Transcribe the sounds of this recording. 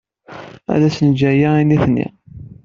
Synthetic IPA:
æ̰ðæsənd͡ʒæjainːiθnːḭ

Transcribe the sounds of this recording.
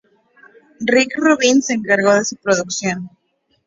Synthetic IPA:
rikruβinseŋkaɾɣoðesupɾoðuksjon

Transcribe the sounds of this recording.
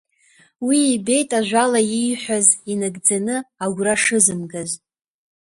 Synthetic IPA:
wiːbe̞jtʼaʒᶣʷalajijħʷazinɨɡd͡zanɨaɡʷraʂɨzɨmɡaz

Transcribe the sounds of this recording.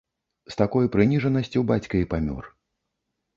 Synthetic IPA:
st̪akɔjpɾɨnʲiʐɐnɐsʲt͡sʲiwbat͡sʲkɐipamʲɔ̰r

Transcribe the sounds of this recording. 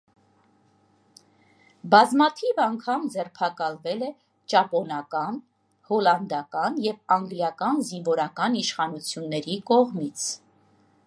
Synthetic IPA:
bɑzmɑt̪ʰivɑŋkʰɑmd͡zɛrpʰɑkɑlvɛlɛ | t͡ʃɑpɔnɑkɑn | hɔlɑnd̪ɑkɑnjɛvɑŋɡljɑkɑnziɱvɔɾɑkɑniʃχɑnut͡sʰjunːɛɾikɔʁmit͡sʰ

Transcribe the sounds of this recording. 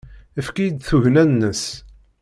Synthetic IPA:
əfkijəd̪θuʝnænːəs

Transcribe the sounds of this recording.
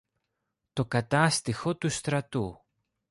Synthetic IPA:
t̪o̞kɐt̪ɐst̪ixo̞t̪ust̪ɾɐt̪u

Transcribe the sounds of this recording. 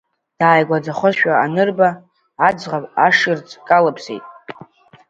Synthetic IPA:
d̥aːjɡʷad͡zaχʷʊzʃᶣaanɨrbaː | d͡zʁapʼaʂɪrt͡sʰʼkʼalapʰsḛjtʼ

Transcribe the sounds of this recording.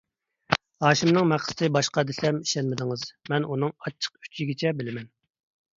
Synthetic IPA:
hɑːʃimnɨŋmæχst̪ʰɨbɑʃqɑd̪ɪsɛmiʃɛnmɪd̪ɪŋɨzmɛnunɨŋɑt͡ʃʰːə̥qy̥t͡ʃʰiɡʲit͡ʃʰɛbɪlɪmɛn

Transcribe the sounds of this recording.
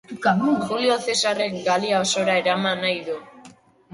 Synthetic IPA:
xulio̞θe̞sare̞kɡaliaoso̞ɾaeɾamanajðu

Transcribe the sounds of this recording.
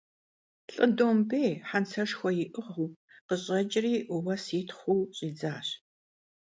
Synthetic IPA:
ɬʼɨdoːmbeːħant͡sʰɐʂxʷɔjɪʔɨʁuː | qəɕʼɐd͡ʒʼriːʔwɐsiːtʰχʷuːɕʼiːd͡zaːɕ

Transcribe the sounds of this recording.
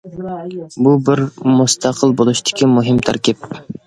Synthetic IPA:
bubɪɾmust̪ʰɑqʰəlˠbolˠuʃt̪ʰɪ̥kʲimuɦɪmt̪ʰæ̰ɾkʲip̚

